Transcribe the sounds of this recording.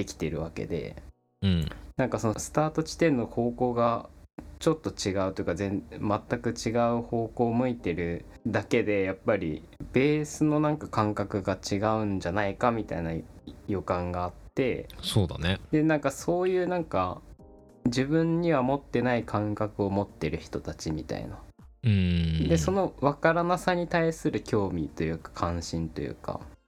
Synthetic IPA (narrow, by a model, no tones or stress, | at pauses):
d̪e̞kʲi̥t̪e̞ɾɯ̟βake̞̰d̪e̞̰ | ɯ̃ɴnãŋkaso̞nosɨ̥t̪aːt̪o̞t͡ɕi̥t̪ẽ̞nːo̞ho̞ːko̞ːɡat͡ɕo̞t̪ːo̞t͡ɕiɡaɯ̟t̪ojiɯ̟kazẽ̞nmat̪ːakɯ̟t͡ɕiɡaɯ̟ho̞ːko̞ːmɯ̟it̪e̞ɾɯ̟d̪ake̞d̪e̞japːaɾʲḭ | b̥e̞ːsɨno̞nãŋkakãŋkakɯ̟ɡat͡ɕiɡaɯ̟̃ɲ̟d͡ʑanaikamʲit̪a̰inajo̞kãŋɡaːtt̪ːe̞̰soːd̪a̰ned̪̥e̞nãŋkaso̞ːjɯ̟ːnãŋka | d͡ʑibɯ̟̃ɲːiβamo̞t̪ːe̞naikʰãŋkakɯ̟o̞mo̞t̪ːe̞ɾɯ̟çi̥t̪o̞t̪at͡ɕimʲit̪a̰ḭna̰ | ɯ̃d̪e̞so̞no̞βakaɾanasaɲ̟it̪aisɨɾɯ̟kʲʰo̞ːmʲit̪o̞jɯ̟ːkḁkʰãɰ̃ɕĩnt̪o̞jɯ̟̰ːka̰